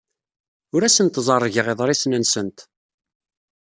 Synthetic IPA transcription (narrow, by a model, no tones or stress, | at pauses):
ʊɾæsənt̪zˤɑrˤːʝəʁeðˤɾˤisnənsənt̪